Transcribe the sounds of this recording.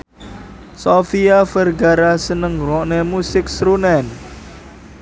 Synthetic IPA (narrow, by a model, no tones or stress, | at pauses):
sofiafərɡaɾasənəŋɾɔʔnemusɪksɾunɛn